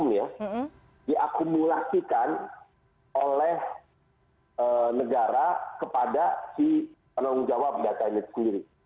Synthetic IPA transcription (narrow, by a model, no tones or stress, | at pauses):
mja | diʔakumulasikan | olɛh | ənəɡaɾakəpadasi | pənaʊŋd͡ʒawap̚dat̪ainit̪u̥səndiɾi